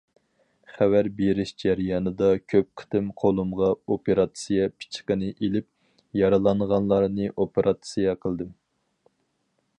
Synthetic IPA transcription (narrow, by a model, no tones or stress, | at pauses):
χæwæɾbeɾɪʃd͡ʒæɾjɑnɨd̪ɑkʲʰøp̚qʰə̥t̪ɨmqʰolˠumʁɑopʰeɾɑt̪sijɛpʰi̥t͡ʃʰqənɨʔelɪp̚ | jɑɾɨlˠɑnʁɑnlˠɑɾnɨʔopeɾʔɑt̪sijɛqʰəlˠd̪ɨm